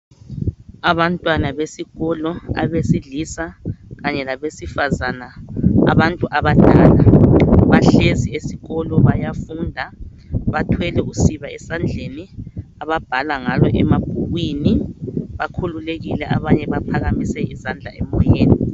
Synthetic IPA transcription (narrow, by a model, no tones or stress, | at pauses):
aβantʼwanaβesiɣɔlɔa̰βesiɮiːsaɣaɲɛlaβesifazanaa̰βantʼuʔaβad̥ʱʼaːlaβaɬeziesiɣɔlɔβajafundʱa | βatʰwɛlɛusiβaɛsand͡ɮʱeniaβab̥ʱalaŋalɔʔɛmab̥ʱuɣwiniβakʰululeɣilɛʔaβaɲɛβapʰaɣamisɛizand͡ɮʱa̰ɛmɔjeːni